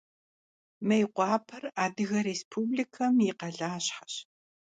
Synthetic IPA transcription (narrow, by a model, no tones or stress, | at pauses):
mɐjqʷɑːpʰɐraːdɨɣɐɾeːspʰuːblikʰɐmjiqɐɮaːɕħɐ̥ɕ